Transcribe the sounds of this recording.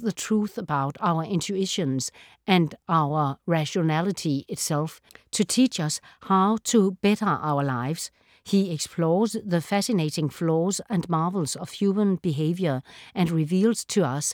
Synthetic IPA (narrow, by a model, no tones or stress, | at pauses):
ðətʰɹ̥uθəbaʊɾaʊə˞ʔɪ̃ntʰuɪʃɨ̃nz | ʔɨ̃ndaʊə˞ɹæʃonælˠɨɾʰiɪtsɛlˠf | tʰutʰit͡ʃʌshaʊtʰəb̥ɛɾə˞ʔa̰ʊə˞laɪvz̥ | hiekspʰlɔːzðəfæsɨneɪɾɪ̃ŋflɔːzæ̃nmɑɹvl̩ˠz̥ʌv̥hjumə̃nb̥iɦeɪvjə˞ɨ̃nɹiviːlˠz̥tʰuʌs